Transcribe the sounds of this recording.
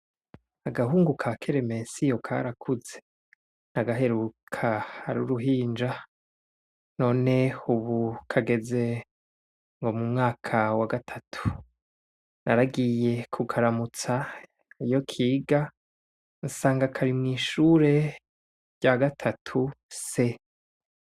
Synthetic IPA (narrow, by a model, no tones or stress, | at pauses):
aɡaɦuːŋɡukʰakʰeɾeme̞sijo̞kʰa̰ɾakʰuze̞̥ | naɡaɦe̞ɾukʰahaɾṵɾuɦiːnd͡ʒa | no̞ːne̞uβukʰaɡe̞ze̞ | ŋɡo̞mumŋaːkʰawaɡatʰatʰu̥ | naɾaɡije̞kʰukʰaɾamut͡sa | ijo̞kʰiːɡa | nsaːŋɡakʰaɾimŋiːʃuɾe̞ | ɟaɡatʰatʰuse̞